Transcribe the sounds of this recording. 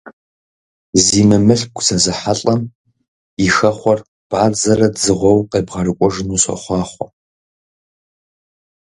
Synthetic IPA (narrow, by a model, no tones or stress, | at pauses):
ziːmɨmɨɬ̚ɡʷʰʼt͡sʰɐzɨħaɬʼɐm | ixɐχʷɔr | b̥ʕaːd͡zɐrɐdzɨʁʷɔwqʼeːbʁɐrɨkʷʼɔʒɨnuːɕɐ̰χʷɑːχʷɔ